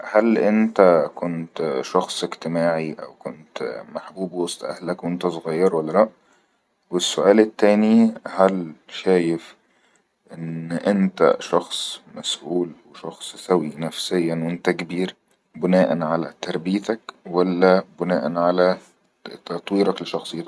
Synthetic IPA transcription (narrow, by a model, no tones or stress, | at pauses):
hælʔɪnt̪ækont̪ʃɑxsˤekt̪emaːʕiʔæ̰wkont̪maħbuːbwɑsˤt̪ˤʔæ̰hlækwʔent̪æsˤoɣɑjːɑɾˤwælːælæʔ | wesːʊʔæːlɪt̪ːæːnihælʃæːjef | ʔenʔɪnt̪æ̰ʃɑxsˤmæsʔuːlweʃɑxsˤsæwinæfsejːænwʔɪnt̪ækebiːɾ | bɪnæːʔænʕalæ̰t̪ɑɾˤbiːt̪ækwælːæbʊnæːʔænʕalæ | t̪ɑt̪ˤwiːɾɑkleʃɑxsˤejːt̪ɑ